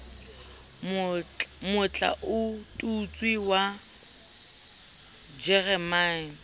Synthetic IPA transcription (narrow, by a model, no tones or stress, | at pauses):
mʊt͡ɬʼa̰ʔʊtʼut͡sʼwiwa | d͡ʒɛrɛman̩